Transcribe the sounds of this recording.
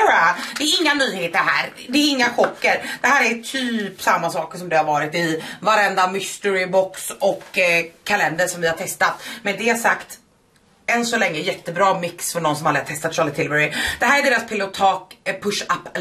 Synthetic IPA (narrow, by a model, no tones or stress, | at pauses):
ad̪ɛːɾɪŋːanyːheːt̪əɾɦæ̰ːɾ | d̪ɛːɾɪŋːaɧɔkːəɾd̪ɛɦæːɾæʈʰyːpsamːasɑːkʂɔmd̪ɛhaɾvɑːɾɪt̪ɪvaɾɛnd̪amɪst̪əɾɪbɔksɔkʰːalɛnd̪əʂɔmvɪhaɾʈ̪ʰɛst̪at̪mɛnd̪ɛhasakt̪ | ɛnsɔlɛŋːəjɛt̪ːəbɾɑːmɪksfœɳɔnsɔmalɾəat̪ʰɛst̪at̪̚ʂɑlɪt̪ʰɪlvɛɾɪd̪̥ɛɦæːɾæɖeːɾaspʰɪlʊt̪ʰɑːkpʰɵʂapː